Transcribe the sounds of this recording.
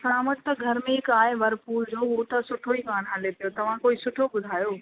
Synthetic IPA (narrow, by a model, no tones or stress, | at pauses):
saːməʈ̚t̪ɐɡʱɐɾmẽɦɪkaːeʋɐɾpuːɾd͡ʑoːɦuːt̪ɐsʊʈʰoikaːɽ̃ɦalepijot̪ɐʋ̤ãkoːisʊʈʰobʊd̪ʱaːjoː